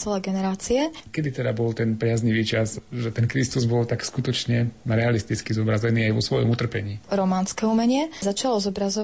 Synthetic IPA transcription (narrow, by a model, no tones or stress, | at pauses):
t͡sɛlɛɡɛnɛɾaːt͡siɛkɛd̪it̪ɛd̪abɔlt̪ɛnpɾɪazɲiʋiːt͡ʃazʒɛt̪ɛnkɾist̪uzbɔlt̪akskut̪ɔt͡ʃɲɛɾɛalist̪it͡skizɔbɾazɛniːajʋɔsʋɔjɔ̰mut̪r̩pɛɲiːɾɔmaːnskɛumɛɲɪɛzat͡ʃalɔzɔbɾazɔ